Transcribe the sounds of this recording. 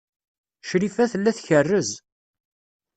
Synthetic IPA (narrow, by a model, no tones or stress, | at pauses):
ʃɾifæθəlːæθçərːəz